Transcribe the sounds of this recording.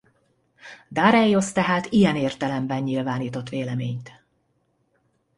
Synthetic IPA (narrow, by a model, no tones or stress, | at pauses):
d̪aːɾɛjːost̪ɛɦaːt̪ijɛneːrt̪ɛlɛmbɛɲːilvaːniːt̪o̞t̪ʋeːlɛmeːɲt̪